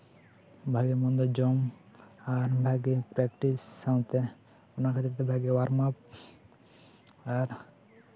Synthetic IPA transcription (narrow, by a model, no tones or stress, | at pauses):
bʱaɡemɔnd̪ɔd͡ʑɔmaɾbʱaɡepɾɛkʈisːaw̃t̪e | onakʰat̪ɾt̪ebʱaɡewaɾmap̚ | aɾ